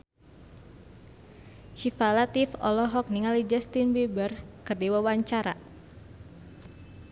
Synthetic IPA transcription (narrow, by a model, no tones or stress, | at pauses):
ʃifalat̪ifɔ̰lɔɦɔk̚niŋalid͡ʒɛst̪inbebərkɨrdiwawaɲt͡ʃaɾa